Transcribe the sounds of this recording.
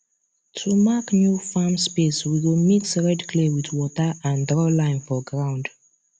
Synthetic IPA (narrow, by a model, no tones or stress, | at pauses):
tʰumaknjufamspeswiwimiksɹɛdkʰlewitwɔtəʔãndɹɔlãɪ̃nfɔɡɹãʊ̃nd